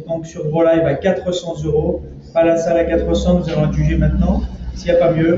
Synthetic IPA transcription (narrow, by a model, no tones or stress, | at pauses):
d̪ɔ̃ksyʁbʁolajvakat̪χəsɑ̃zøʁo | palasalakat̪χəsɑ̃nuzavɔ̃ɛ̃ʒyʒemɛ̃t̪nɑ̃sijapamjø